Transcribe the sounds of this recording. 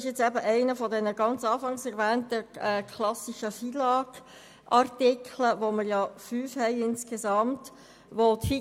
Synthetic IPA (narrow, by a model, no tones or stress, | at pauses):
ɪʃjɛt͡sæbəʔæɪnəfɔdɛnəɡɑnt͡sɑːfɑŋsɛɾvæːntəɛːkʰlɑsiʃəfiːlɑːɡ̥ | ʔɑrtɪkʰləʋoməɾjɑːfyːfhɛɪɪnskezɑmt | ʋot̪fi